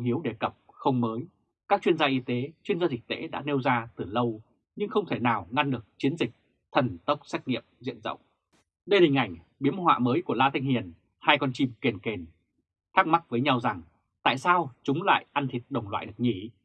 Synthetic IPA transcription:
hi˨˦əwɗe˧˩kə˨˩p̚xə˧wŋ͡mməː˨˦j | kaː˦˥k̚t͡ɕwi˧ənzaː˧ʔi˨˧˦t̪e˨˦t͡ɕwi˧nzaː˧zi˨˩k̚t̪ḛ˧˥ɗa̰ː˧˥ne˧wzaː˧t̪ɨ˨˩lə˧w | ɲɨ˧ŋxə˧wŋ͡mt̪ʰe˧˩naː˨˩wŋa˧nɗɨ˨˩ək̚t͡ɕi˨˦ənzï˨˩k̚ | t̪ʰə˨˩nt̪ə˦˥wk͡p̚sɛ˦˥k̚ŋḭ˧˨əmzḭ˧˨ənzə̰˧˨wŋ͡m | ɗə˧jhï˨˩ŋ̟ʔa˧˩jŋ̟ | ɓi˨˦əmhwa̰ː˧˨məː˨˦jku˧˩əlaː˧t̪ʰi˧ŋ̟hi˨˩ən | haː˧jkɔ˧nt͡ɕi˧mke˨˩nke˨˩n | t̪ʰaː˦˥k̚ma˦˥t̚vəː˨˦jɲa˧wza˨˩ŋ | t̪a̰ː˧˨jsaː˧wt͡ɕʊ˨˦ŋ͡mla̰ː˧˨jʔa˧nt̪ʰi˨˩t̚ɗə˨˩wŋ͡mlwa̰ː˧˨jɗɨ˨˩ək̚ɲi˧˩

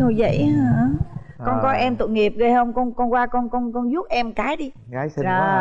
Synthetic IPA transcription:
o˧zə̰˧˨jə˧˩˨kɔ˧nkɔ˨˦ʔɛ˧mt̪ɨ̰˧˨ŋi˨˩əp̚ɣə˧jhə˧wŋ͡mkɔ˧nkɔ˧nkwaː˧kɔ˧nkɔ˧nkɔ˧nzu˦˥ət̚ʔɛ˧mkaː˨˦jɗi˧˨ | ə˨˩

